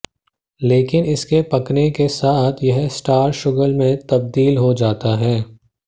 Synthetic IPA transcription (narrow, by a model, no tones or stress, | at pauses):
leːkɪnɪskepɐknekesaːt̪ʰjɐɦsʈaːɾʃʊɡəlmẽt̪ɐb̚d̪iːlɦod͡ʒaːt̪aɦɛː